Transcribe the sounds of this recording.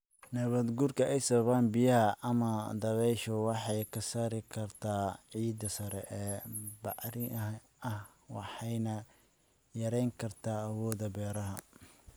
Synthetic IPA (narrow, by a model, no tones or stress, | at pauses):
nɐβɐd̪ɡurkʰɐʔɛjsɐβɐβaːnbɪjɐɦɐʔɐmɐd̪ɐβɛjʃɔwɑħɑjkʰɐsaːɾɪkʰɐrt̪ʰaːʕiːd̪ɐsɐɾɛ̰ʔɛːbɑʕɾɪ | ɐhwɑ̰ħɑjnɐ | jɐɾɛjŋkʰɐrt̪ʰaːɐwɔːðɐbɛːɾɐɦɐ